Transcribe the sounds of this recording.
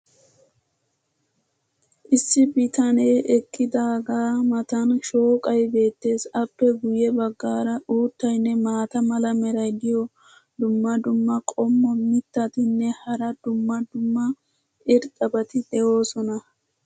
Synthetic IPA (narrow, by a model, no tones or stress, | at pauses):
ʔɪsːɪbɪt̪ɐneːʔɛkːɪd̪aːɡaːmɐt̪ɐnʃo̞ːkʼɐjbe̞ːt̪ːe̞ːsɐpːɛɡʊjɛbɐɡːaːɾɐʔuːt̪ːɐjnːɛmaːt̪ɐmɐlɐmɛɾɐjd̪ɪjɔ | d̪ʊmːɐd̪ʊmːɐkʼɔmːɔmɪt̪ːɐt̪ɪnːɛhɐɾɐd̪ʊmːɐd̪ʊmːɐ | ʔɪɾt̪ʼɐbɐt̪ɪd̪ɛo̞ːsɔnɐ